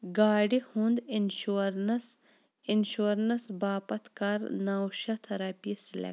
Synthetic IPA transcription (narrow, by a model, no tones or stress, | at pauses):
ɡaːɖihũnd̪inʃuɾnɐs | inʃuɾnɐsbaːpɐt̪ʰkaɾnawʃɐt̪ʰɐɾaːpislḛ